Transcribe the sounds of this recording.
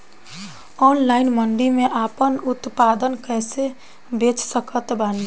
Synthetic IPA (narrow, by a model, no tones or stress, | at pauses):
ɔnlaɪnməɳɖimeʔaːpənut̪pad̪ənkɛːse | bet͡ʃsəkət̪bʱən